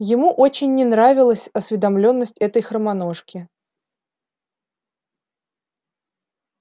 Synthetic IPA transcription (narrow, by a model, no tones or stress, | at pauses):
jɪmuʔot͡ɕɪnʲːɪnɾavʲɪlˠəsʲɐsvʲɪd̪ɐmlʲonːəsʲtʲɛt̪əjxɾəmano̞ʂkʲɪ